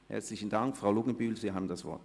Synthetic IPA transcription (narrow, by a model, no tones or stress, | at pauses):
hɛ̰ɐt͡slɪçn̩daŋkfʁ̥aʊlʊɡən̩byːlv̥iːɐɦaːbm̩dasv̥ɔ̰ɐt